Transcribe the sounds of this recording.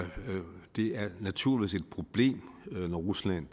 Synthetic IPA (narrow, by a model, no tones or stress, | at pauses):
d̥e̝æɐnæt͡sʰuɐ̰liʋḭːse̝d̥̚pʰʁo̝b̥le̝̰ːmnɒʁuslæn̰